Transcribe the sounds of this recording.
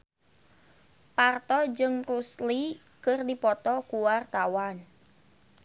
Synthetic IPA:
part̪ɔd͡ʒɨŋrusli | kərdipɔt̪ɔkuwart̪awan

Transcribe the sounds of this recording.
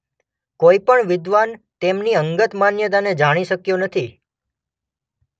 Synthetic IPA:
koipəɳʋɪd̪ʋant̪emniəŋɡət̪manjəd̪aned͡ʒaɽ̃iʃəkjonət̪ʰi

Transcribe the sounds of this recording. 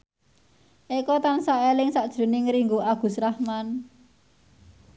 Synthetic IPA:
ʔikɔt̪ansaʔelɪŋsaʔd̥ʒ̥ɾṳnɪŋɾiŋɡuaɡ̥ṳsɾahman

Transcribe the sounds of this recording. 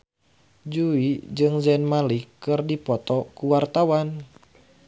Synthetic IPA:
d͡ʒuid͡ʒɨŋzɛnmalikːɨrdipɔt̪ɔkuwart̪awan

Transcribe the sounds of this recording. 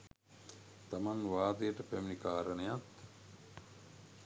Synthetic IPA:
t̪amanʋaːd̪əjəʈəpæminikaːɾənejat̪

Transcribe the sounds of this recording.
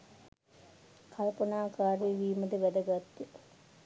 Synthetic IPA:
kʰɐlpɐnaːkaːɾeːʋiːməd̪əʋæd̪əɡat̪ːə

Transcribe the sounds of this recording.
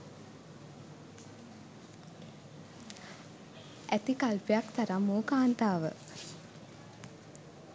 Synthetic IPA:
æt̪ikalpejakt̪aɾamːoːkaːnt̪aːʋə̰

